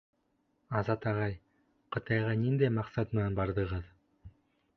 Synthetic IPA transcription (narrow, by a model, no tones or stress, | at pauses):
ɑzɑt̪ɑʁɑj | qɤ̆t̪ɑjʁɑnind̪æjmɑqsɑt̪ɤ̆nɑnbɑɾðɤ̆ʁɤð